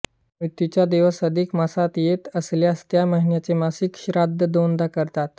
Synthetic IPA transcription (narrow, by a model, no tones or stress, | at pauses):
mɾit̪jut͡ɕjad̪eʋəsəd̪ʱikmasat̪jet̪əsljast̪jaməɦinjat͡semasikɕɾad̪ʱəd̪ond̪akəɾt̪at̪